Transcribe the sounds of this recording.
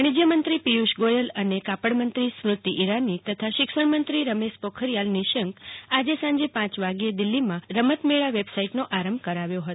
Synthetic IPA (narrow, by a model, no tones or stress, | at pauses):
ɽ̃id͡ʒjəmənt̪ɾipijuʃɡojələnekapəɽmənt̪ɾismɾʊt̪iʔiɾanit̪ət̪ʰaʃɪkʃəɳmənt̪ɾiɾəmeʃpokʰəɾjalniʃəŋkad͡ʒesãɲd͡ʒepãt͡ʃʋaɡijed̪ɪlːimãɾəmət̪meɭaʋebsaiʈnoʔaɾəmbkəɾaʋjoɦət̪